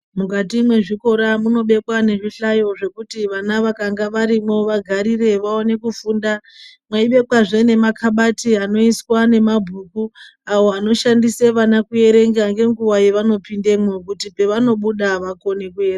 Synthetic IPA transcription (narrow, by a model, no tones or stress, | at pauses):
mukatimwe̞ʐiko̞ɾamuno̞ɓe̞kwane̞ʐiɬajo̞ʐe̞kutiʋanaʋakaŋɡaʋaɾimo̞ʋaɡʱaɾire̞ʋaone̞kufuːndamwaiɓe̞kwaʐene̞makʰaɓatiano̞iswane̞mabʱukuawo̞ano̞ʃandiseʋanakuje̞ɾe̞ŋɡaŋɡe̞ŋɡuwaje̞ʋano̞pinde̞mwekutipe̞ʋano̞ɓuɗaʋako̞ne̞kuere